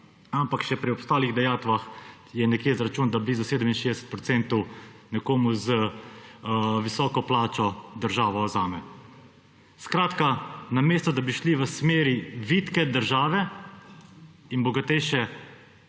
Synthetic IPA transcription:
ampakʃɛpɾiɔpst̪aːliɣd̪ɛjaːt̪ʋax | jɛnɛkjeːzɾat͡ʃuːnd̪abliːzuseːd̪əminʃeːd̪ɛsə̥t̪̚pɾɔt̪sɛnt̪ɔwnɛkoːmuzə | ʋisɔːkɔplaːt͡ʃɔd̪əɾʒaːʋɔzaːmɛ | skɾaːt̪kanameːst̪ɔd̪abiʃliʋəsmeːɾiʋit̪kɛd̪əɾʒaːʋɛ | inbɔɡat̪ɛjʃɛ

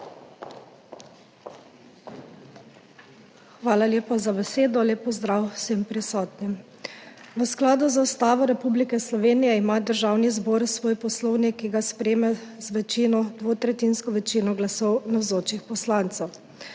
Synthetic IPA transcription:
xʋaːlalʲjeːpɔzabɛseːd̪ɔleːpɔzd̪ɾawsempɾisɔːt̪nim | ʋəsklaːd̪uzaust̪aːʋɔɾɛpublikɛslɔʋeːnijɛimad̪əɾʒaːwnizboːɾsʋoːjpɔslɔwnikːiɡaspɾeːmɛzʋɛt͡ʃinɔd̪ʋoːt̪ɾɛt̪inskɔʋɛt͡ʃiːnɔɡlasɔwnawzoːt͡ʃixpɔslaːnt̪sɛw

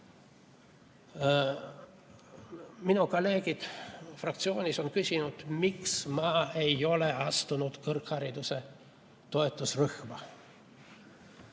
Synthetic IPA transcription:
minukole̞ːɡ̥it̪frɑk̚t̪sio̞ːnʲiso̞nkysʲinud̪̥miksmɑːejo̞leɑst̪unut̪kɯrkhɑɾid̪use | t̪o̞et̪ːˑusryxmɑ

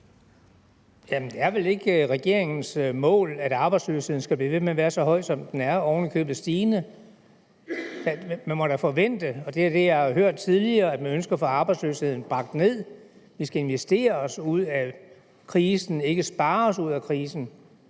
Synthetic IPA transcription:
jæmnd̥e̝æɐʋele̝ɡ̥ʁɛɡ̥e̝ɐ̰eŋn̩smɔ̰̽ːlæd̥ɑ̈ːb̥ɑ̈ɪdslø̰ːshe̝ð̞̰ˠn̩sɡ̥æb̥lḭːʋe̝̥meʋæːɐsɒ̽ɦɒ̽ɪ̰̥sɒ̽md̥enæɐɒʊnikʰø̰ːb̥ð̩ˠsd̥iːnə | d̥æmænmɒ̽ɾæfɒ̽ʋen̰d̥əɒ̽d̥e̝æd̥e̝jɑhɑɦøɐ̰d̥̚t͡sʰið̞ˠliɐːæd̥mænønsɡ̥ɐfɒ̽ɑ̈ːb̥ɑ̈ɪd̥sløshe̝ð̰ˠn̩b̥ʁɑ̈ɡ̥̚d̥ne̝ð̞̰ˠ | ʋisɡ̥æe̝nʋesd̥e̝̰ːɐɒsuð̰ˠæ | kʰʁiːsn̩e̝ɡ̥əsb̥ɑ̈ːɒsuð̞̰ˠækʰʁiːsn̩

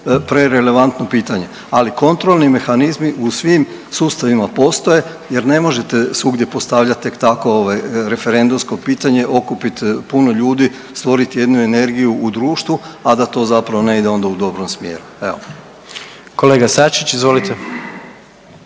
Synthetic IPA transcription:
pɾe̞ɾe̞le̞ʋant̪no̞piːt̪aɲe̞ | aliko̞nt̪ɾolˠnime̞xanizmiʔusʋim | suːst̪aʋimapo̞st̪o̞je̞ | je̞ɾne̞mo̞ʒe̞t̪e̞suɡd̪jepo̞st̪aʋʎat̪t̪ːe̞kt̪ako̞oʋajɾe̞fe̞ɾe̞nd̪umsko̞piːt̪aɲe̞ʔo̞kupit̪puno̞ʎuːd̪i | st̪ʋo̞ɾit̪ije̞d̪nue̞ne̞ɾɡijuːd̪ɾuːʃt̪ʋuad̪at̪o̞ːzapɾaʋo̞ne̞id̪e̞o̞nd̪aud̪o̞bɾo̞msmje̞̰ːɾueo̰ | koleːɡasat͡ʃit͡ʃizʋolit̪e

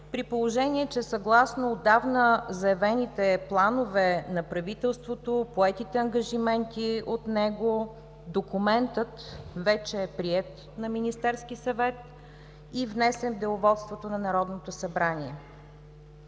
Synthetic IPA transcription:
pɾipolˠoʒɛniɛt͡ʃɛsɐɡlˠasnoːd̪avnəzɐjɛvɛnit̪ɛplˠanovɛnɐpɾɐvit̪ɛlˠst̪vot̪opoɛt̪it̪ɛɐŋɡɐʒimɛnt̪iot̪nɛɡo | d̪okumɛnt̪ət̪vɛt͡ʃɛːpɾiɛt̪ | nɐminist̪ɛɾskisɐvɛt̪̚ | ivnɛsɛnvd̪ɛʊvɔt̪st̪vot̪onɐnɐɾɔd̪not̪osɐbɾaniɛ

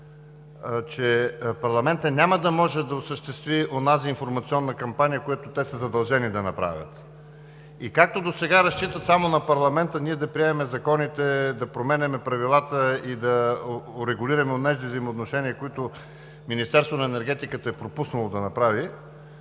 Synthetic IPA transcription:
t͡ʃɛpɐɾlˠɐmɛnt̪ənʲaməd̪ɐmɔʒɛd̪ɐosəʃt̪ɛst̪viʔonaziːnfoɾmɐt̪siɔnːəkɐmpanijəkojat̪ot̪ɛsəzɐd̪ɐlˠʒɛnid̪ɐnɐpɾa̰vʲə̰t̪ | ikak̚t̪od̪osɛɡaɾɐst͡ʃit̪ət̪samonɐpɐɾlˠɐmɛnt̪əniɛd̪ɐpɾiɛmɛmɛzɐkɔnit̪ɛd̪ɐpɾomɛnɛmɛpɾɐvilˠat̪əid̪ɐoɾɛɡʊliɾɐmɛonɛʒd̪ivzəijmoːt̪noʃɛniəkoit̪ʊ | minist̪ɛɾst̪vonɐɛnɛɾɡ̟ɛt̪ikət̪əɛpɾopusnɐlˠod̪ɐnɐpɾavi

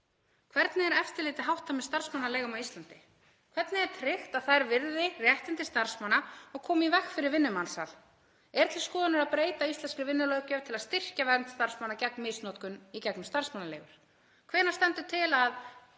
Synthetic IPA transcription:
kʰvɛɾt̪nɪɛɾɛft̪ɪlɪːt̪ɪɦawht̪amɛðst̪ar̥smanːaleːɣʏmawist̪lant̪ɪ | kʰvɛɾt̪nɪɛɾ̥t̪ʰɾɪxt̪aðθaðɛɾvɪɾðɪrjɛht̪ɪnt̪ɪst̪aɾ̥smanːaɔɣkʰɔːmivɛxkfɪɾɪɾvɪnːʏmansa̰l | ɛɾt̪ʰɪlskɔːðanʏɾaðpɾeːjt̪aist̪lɛnskɾɪvɪnːʏlœːwcœ̥t̪ʰɪlaðst̪ɪr̥cavɛɾnt̪st̪aɾ̥smanːacɛknmɪsnɔːt̪kʏnicɛknʏmst̪aɾ̥smanːalḛːɣʏɾ̥ | kʰvɛːnast̪ɛnt̪ʏt̪ʰɪlað

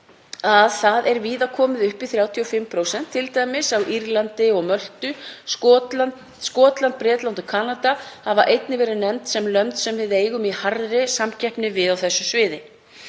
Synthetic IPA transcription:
aðθaðɛɾviːðakʰɔːmɪðʏhpɪθɾjaːwt̪ʰiɔfɪmːpʰɾoːwsɛn̥t̪ʰːɪlt̪ajmɪsawʔiɾlant̪ɪɔɣmœl̥t̪ʏ | skɔːt̪lant̪̚pɾɛːt̪lawnt̪ʏkʰaːnat̪ahavaʔejt̪nɪvɛːɾɪnɛmt̪sɛmlœmt̪sɛmvɪðeːjɣʏmihaɾðɾɪsamcʰɛhpnɪvɪðawθɛsːʏsvɪːðɪ

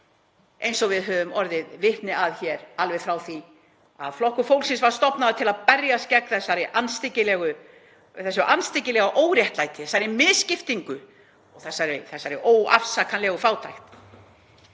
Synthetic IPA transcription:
ʔejnsɔvɪðɦœvʏmɔɾðɪðvɪht̪nɪaðçɛɾalvɛðfɾawθi | a̰ðflɔhkʏfowlsɪnsvaɾ̥st̪ɔpnaðʏt̪ʰɪlaðpɛɾjascɛk̪̚θɛsːaɾɪʔanst̪ɪcɪlɛɣʏ | θɛsːʏʔanst̪ɪcɪlɛɣaʔoːwɾjɛht̪lajt̪ɪ̥θɛsːaɾɪmɪðscɪft̪iŋkʏ | ɔɣθɛsːaɾɪθɛsːaɾɪʔoːwa̰fsakʰanlɛɣʏfaːwt̪ʰajxt̪

